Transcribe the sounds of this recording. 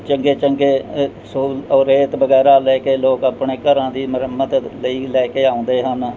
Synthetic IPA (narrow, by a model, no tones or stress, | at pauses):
t͡ʃəŋɡeːt͡ʃəŋɡeː | soːləːɾeːt̪bəɡɛːɾaːlɛːkeːloːkəpɳeːkəɾãːd̪iːməɾəmːət̪ləiːlɛːkeːaːõːnd̪eːɦən